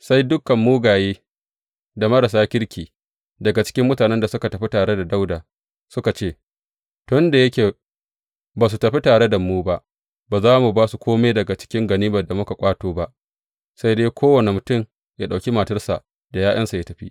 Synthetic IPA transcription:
sa˦jdʊ˦kɐ˨mːuː˦ɡaː˨jeː˦ | da˨mɐ˦ɽɐ˨s̬aː˦kʲɪ˦ɽkʲiː˨ | dɐ˨ɡa˨t͡ʃɪ̥˦kʲɪ˦mːʊ˦taː˨nɛ˦nda˨sʊ˦ka˨tɐ˨ɸi˦taː˨ɽe˦da˨da˦wdaː˨ | sʊ˦ka˨t͡ʃeː˦˨ | tʊ˦nda˨jɐ˦kʲeː˨ | baː˨s̬u˨tɐ˨ɸi˦taː˨ɽe˦da˨muː˦ba˦ʔ | baː˨zaː˦mu˨baː˦su˨kʷʰoː˦meː˦dɐ˨ɡa˨t͡ʃɪ̥˦kʲɪ˦ŋɡɐ˨niː˦bɐ˨da˨mʊ˦ka˨kʷʼaː˦toː˦ba˦ʔ | sa˦jdeː˦kʰʷoː˦wɐ˨ne˨mʊ˨tʊ˦˨m | jaː˦ɗa˨kʲi˦ma˨tɐ˦rsa̰˨ʔ | d̥a˨jaː˦ʔɐ˦nsa˨ja˦tɐ˨ɸḭ˦

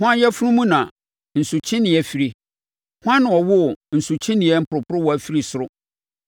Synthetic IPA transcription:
hʊ̃˦ã˦jɛ˦fʊ˦ɾũ˦mũ˦nã˨ | n̩˨su˨t͡ɕʰɪ̃˦nɪ̃˨ɛ˦fi˦ɾi˦ | hʊ̃˦ã˦nʊ̃˨ɔ˨wʊ˦˨n̩˨su˨t͡ɕʰĩ˦nɪ̃˨ɛ˦m̩˦pʰʊ˨ɾʊ˨pʰʊ˦ɾʊ˦wɔ˨æ˨fi˦ɾi˨sʊ˨ɾʊ˦

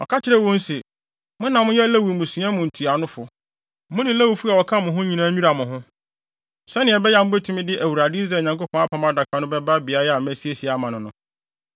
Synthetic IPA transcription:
ɔ̰˨kʰa˦t͡ɕʰɪ˦ɾɛ˦˨wɔ̃˦n̩˦sɛ˨ | mʊ̃˦nã˨mʊ̃˦jɛ˦læ˦wu˨mʊ̃˨sũ˨˦ã˦mʊ̃˨n̩˨tʰu˨a˨nʊ̃˦fʊ˨˦ | mʊ̃˦nɪ̃˨˦læ˦wu˨fu˦a˨wɔ˨kʰã˦mʊ̃˨ɦʊ̃˦ɲĩ˨nãː˦ɲu˦ɾa˨mʊ̃˨ɦʊ̃˦ | sɛ˦nɪ̃˨ɛ˨bɛ˦ja˨mʊ̃˦bɛ˦tʰũ˦mɪ̃˦dɪ˦ʔæ˨wu˨ɾa˨dɪ˦i˦s̬ɾa˨˦˨ɲã˨ŋko˦pʰɔ̃˦a˦pʰã˨˦m˦a˦da˨kʷʰa˨˦nʊ̃˦bɛ˦ba˦bɪ˨a˦ja˨mæ˦si˦e˨si˨a˨˦mã˨nʊ̃˨nʊ̃˦

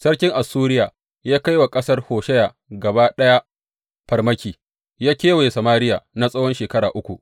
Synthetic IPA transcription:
sɐ˦rkʲɪ˦ŋʔa˨suː˦ɾɪ˦jaː˨ | jaː˦ka˦jwa˨kʼɐ˦sɐ˦rhoː˨ʃɛ˦jaː˨ | ɡɐ˨baː˦ɗɐ˦ja˦ | ɸɐ˨rmɐ˦kʲiː˨ | jaː˦kʲeː˦we˨sɐ˨maː˦ɾɪ˦jaː˨na˦sʼɐ˦wɔ˦nʃeː˨kɐ˦ɽaː˨ʔʊ˦kʷu˨ʔ

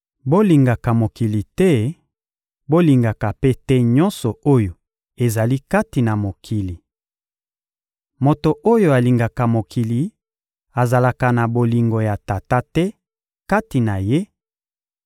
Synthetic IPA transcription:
bo˦li˨ŋɡa˨ka˨mo˨ki˨li˨tɛ˦ | bo˦li˨ŋɡa˨ka˨pe˦tɛ˦ɲɔ̃˦nsɔ˨o˦jo˨ | e˨za˨li˦ka˦ti˨na˨mo˨kʰi˨li˨ | mo˨to˨ʔo˦jo˨a˨li˨ŋɡa˨ka˨mo˨kʰi˨li˨ | a˨za˨la˨ka˨na˨bo˨li˨ŋɡo˨ja˨ta˨ta˦tɛ˦ | ka˦ti˨na˨je˦

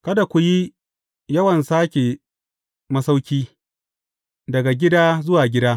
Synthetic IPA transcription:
kɐ˦da˨kʷu˨ji˦ | jɐ˦wɐ˨nsaː˦kʲe˨ | mɐ˦sa˦wkʲiː˦ | dɐ˨ɡa˨ɡʲɪ˦daː˦zʊ˦waː˨ɡʲɪ˦daː˦

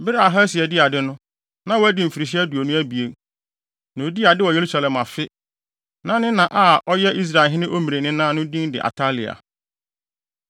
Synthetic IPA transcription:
bɪ˦ɾa˨ɦa˦sɪ˨ɛ˨dɪ˦a˨dɪ˦nʊ̃˦ | nã˨˦wo˦æ˦dɪ˦m̩˨fi˨ɾi˨ɕ̬i˦æ˦du˨o˨nʊ̃˦æ˦bi˨e˦ | nã˨o˨di˦a˨dɪ˦wɔ˨je˨ɾu˦sa˨lɛ̃˨ma˨fɪ˦ | nã˦nɪ̃˦nã˨ʔa˨˦˨ɔ˦jɛ˦ʔi˦s̬ɾa˨ɪ˨ɦɪ˦nɪ̃˦ʔo˦mĩ˨ɾe˨nɪ̃˦nã˦˨nʊ̃˦dĩ˦n˦dɪ˨ʔa̰˨tʰa˦lɪ˨a̰˨

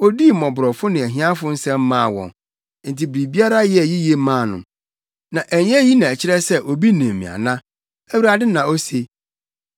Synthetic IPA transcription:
o˦di˦˨mɔ̃˨bʊ˨ɾɔ˨fʊ˦nɪ̃˨æ˨ɦĩ˦ã˦fʊ˦n̩˦sɛ̃˦mː˦ãː˦˨wɔ̰̃˨n | n̩˨tʰi˨bɾi˨bi˦a˦ɾa˦jɛ˦˨ji˦je˨˦mãː˦˨nʊ̰̃˨ | nã˨ʔæ˨ɲ˦ɛ̃˦ji˦nã˨æ˨t͡ɕʰɪ˦ɾɛ˦sɛ˦ʔo˨bi˦nĩ˨m˨mḭ̃˨a̰˨nã˦ | æ˦wu˦ɾa˨dɪ˦nã˨o˦se˨

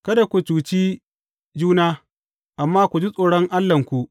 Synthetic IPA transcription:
kɐ˦da˨kʷu˨t͡ʃuː˨t͡ʃi˦ | d͡ʒuː˦naː˦ | ʔa˨mːaː˦kʷu˨d͡ʒi˦sʼoː˨ɽɔ˦ŋʔa˦lːɐ˨ŋkʷu˨ʔ

